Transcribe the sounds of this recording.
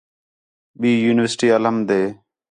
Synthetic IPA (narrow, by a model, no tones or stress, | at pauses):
ɓiːjuːnɪʋəsʈiːələmd̪eː